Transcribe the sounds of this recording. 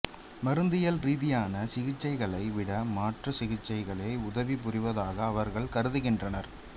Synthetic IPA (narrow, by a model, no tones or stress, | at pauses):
mɐɾɯnd̪ɪjɐlɾiːðɪjaːnɐsɪɣɪt͡ʃːɐɪɣɐɭɐɪʋɪɽɐmaːʈrɐsɪɣɪt͡ʃːɐɪɣɐɭeɪʊðɐʋip̬ʊrɪʋɐðaːɣɐːʋɐɾɣɐɭkɐɾɯðɯɣɪndrɐnɐɾ